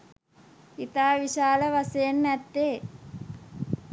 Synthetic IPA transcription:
it̪aːʋiʃaːlɐʋɐsenːɛt̪ːeː

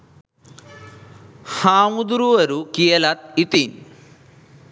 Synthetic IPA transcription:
haːmud̪uɾuɐɾukijɐlat̪̚it̪in

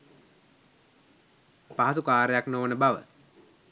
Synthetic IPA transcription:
paɦasukaːɾejaknoːnəbaʋə̰

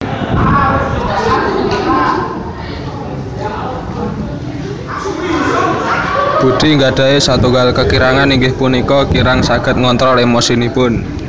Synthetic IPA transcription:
b̥ṳd̪̥iŋɡaɖ̥a̤esat̪uŋɡalkəkiɾaŋaniŋɡɪhpunikɔkiɾaŋsaɡ̥ə̤t̪̚ŋɔnt̪ɾɔlemosinipʊn

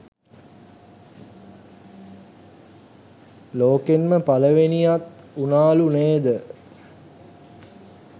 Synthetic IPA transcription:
loːkenməpaləʋenijat̪ | unaːluneːd̪ə

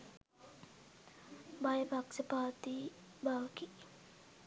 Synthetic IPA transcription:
bajbaksəpat̪i | bawki

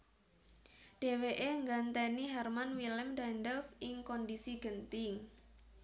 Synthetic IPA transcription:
ɖ̥e̤weʔeŋɡant̪ɛniɦɛrmanwilɛmdandɛlsɪŋkɔndisiɡ̥ənt̪ɪŋ

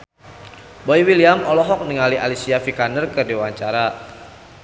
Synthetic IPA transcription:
boiwiliamɔlɔɦɔk̚niŋaliʔalisiafikanərkədewaɲt͡ʃaɾa

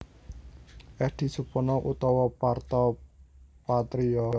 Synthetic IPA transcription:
ɛd̪̥i̤supɔnɔʔut̪ɔwɔpart̪ɔ | pat̪ɾiɔ

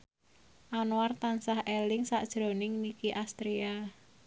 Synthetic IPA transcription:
ʔanowart̪ansahelɪŋsaʔd̥ʒ̥ɾo̤nɪŋnikiʔast̪ɾia

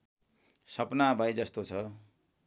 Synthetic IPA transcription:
sʌpnabʱajd͡zʌst̪ot͡sʰʌ

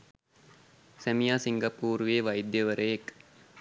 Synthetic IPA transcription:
sæmijaːsiŋɡɐpuːɾʋeːʋajd̪jəʋəɾʔəjek

